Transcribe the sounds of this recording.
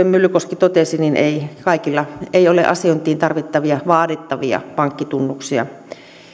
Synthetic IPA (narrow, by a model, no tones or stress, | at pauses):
emmylykoskit̪ot̪esinineikɑikilːɑeiolḛʔɑ̰siont̪iːnt̪ɑrʋit̪ːɑʋiɑʋɑːdit̪ːɑʋiɑ̰pɑŋkːit̪unːuksiɑ̰